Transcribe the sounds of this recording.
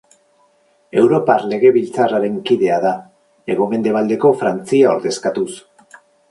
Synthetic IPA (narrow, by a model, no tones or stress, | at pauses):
e̞wɾo̞parle̞ɣe̞βilt͡saraɾe̞ŋkiðe̞aða | e̞ɣ̞ome̞nd̪e̞β̞ald̪e̞ko̞fɾant͡siao̞̰ɾðe̞skat̪us